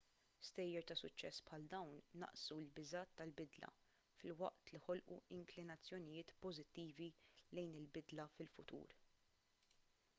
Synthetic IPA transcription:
st̪ɛjːɛɾt̪ɐsʊt͡ʃːɛsːpħɐld̪ɐwnːɐ̰ʔsulbɪzɐːt̪ːɐlbɪd̪lɐ̰ | fɪlwɐ̰ʔt̪liħɔlʔṵɪŋklɪnɐt͡sːjɔnɪjɪːt̪pɔzɪt̪ːiːvilɛjnɪlbɪd̪lɐfɪlfʊt̪ṵːɾ

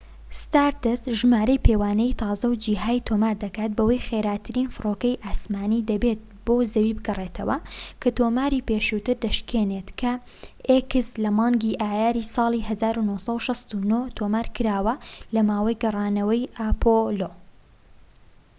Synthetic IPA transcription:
st̪aːɾt̪ɨsʒmaːɾɐjpʰewaːnɛjt̪ʰɑːzɐwd͡ʒiːɦaːjt̪ʰoːmaːɾd̪ɐkaːt̪̚bɐwɐjxeɾaːt̪ʰɨɾiːnfɨɾoːkɐjʔaːsmaːnid̪ɐbet̪̚ | boːzɐwibɨɡɐret̪ʰɐ̰wɐ̰kʰɐt̪oːmaːɾiːpeːʃut̪ɨɾd̪ɐʃkʰeːnet̪kʰɐ | ekɨslɐmɑːŋɡiʔaːjaːɾisɑːlˠihɐzaːɾunosɐwʃɐst̪unot̪ʰomaːɾkɨɾaːwɐlɐmaːwɐjɡɐrˤɑːnɐwɐjaːpʰolo

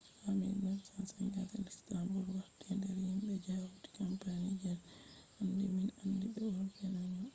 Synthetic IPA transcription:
lamḭndɛnsansaŋɡatɛlistambuɾwaɾtɛndɛɾhimbɛd͡ʒawuti̥kampanid͡ʒɛlʔandɛminandibɛwɔlfɛnaɲɔ

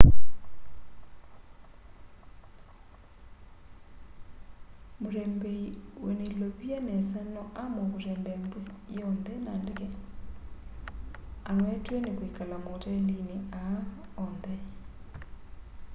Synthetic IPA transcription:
moɾɛmbɛiwenelɔβjanɛsanɔʔamɔkoɾɛmbɛambusɔndɛnandekɛ | anwɛtwenekwikalamotɛndineaɔndɛ

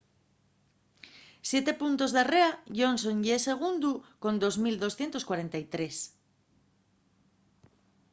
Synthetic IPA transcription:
sje̞t̪e̞punt̪o̞zðareaʝo̞nsõ̞nʎeseɣ̞und̪uko̞nd̪o̞zmild̪o̞sθje̞nt̪o̞skwaɾe̞nt̪ajt̪ɾe̞s

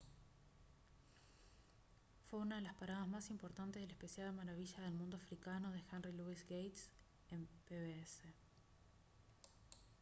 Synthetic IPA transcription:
fwe̞unaðe̞laspaɾað̞azmasimpo̞ɾt̪ant̪e̞zðelehpesjaðamaɾaβiʒaðe̞lmũnd̪oafɾikano̞ð̞e̞xenriluisɡejt̪s | empeβeese

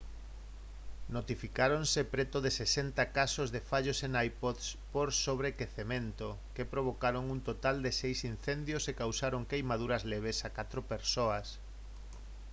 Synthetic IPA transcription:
not̪ifikaɾonsepɾet̪ʊðesesent̪akasozðefaʎoseŋajpoðspoɾsoβ̞ɾekeθemẽnt̪o | kepɾoβ̞okaɾoŋunt̪ot̪ald̪esejsinθend̪josekawsaɾoŋkejmaðuɾɐzleβ̞esakat̪ɾopeɾsoɐs

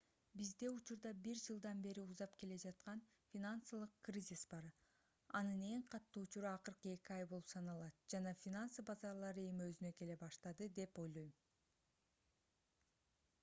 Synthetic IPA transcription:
bizd̪e̞ut͡ʃuɾd̪ɑbiɾd͡ʒɯlˠd̪ɑnbe̞ɾiuzɑpke̞le̞d͡ʒɑt̪qɑn | fʲinanslˠɯqkrʲizʲisbɑɾ | ɑnɯne̞ŋqʰɑt̪ːuːut͡ʃuɾuɑqɯɾqɯe̞kʲiɑjbo̞lˠupsɑnɑlˠɑt̪̚d͡ʒɑnɑfʲinansɯbɑzɑɾlˠɑɾɯe̞miø̞zynø̞ke̞le̞bɑʃt̪ɑd̪ɯd̪e̞po̞jlˠo̞jm

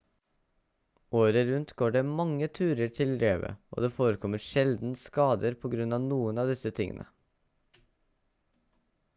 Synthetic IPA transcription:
ʔoːɾəɾʉnt̪ɡoːɖeːmɑŋːət̪ʰʉːɾəʈʰɪlɾeːʋə̰ʔo̰ːd̪eːfoːɾəkʰɔməɾʃɛld̪n̩skɑːd̪əɾpʰɔɡɾʉnɑːʋnuːənɑːʋd̪ɪsət̪ʰɪŋə̰nə̰

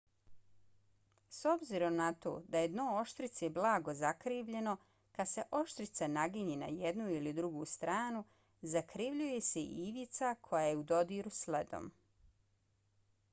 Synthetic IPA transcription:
so̞bziɾo̞mnat̪o̞̰ːd̪ajed̪noo̞ʃt̪ɾit̪seblˠaːɡo̞zakɾiːʋʎe̞no̞ | kad̪se̞ʔo̞ʃt̪ɾit̪sanaɡiɲena̰jed̪nuilid̪ɾuɡust̪ɾaːnu | zakɾiʋʎuje̞se̞iʋit̪sakʰo̞jajeud̪o̞d̪iɾusled̪o̰m

